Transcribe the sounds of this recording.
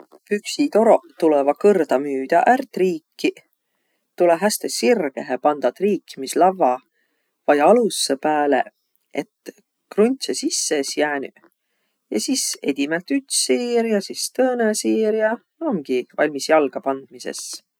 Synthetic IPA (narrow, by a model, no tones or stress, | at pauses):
pyksit̪o̞ɾo̞t̪ulevɑkɤrd̪ɑmyːd̪̥ɑʔært̪riːkʰːi | t̪uleɦæst̪esirɡ̥eɦepɑnd̪̥ɑt̪riːkmislɑvɑ | vɑjɑlusːepæːlḛ | et̪ | krunʲt̪sesisːesjæːny | jɑ̰sise̞̰d̪̥ʲimelt̪yt̪siːɾjɑsist̪ɤːnesiːɾjɑ | oŋɡ̥ivɑlʲmisjɑlɡ̥ɑpɑnd̪̥̚mise̞̰s